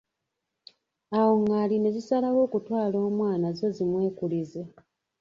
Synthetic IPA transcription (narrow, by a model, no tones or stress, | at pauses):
awo̞ŋɡaline̞zisalawo̞ːkutwaːlo̞ːmwaːnazo̞zimwe̞ːkulize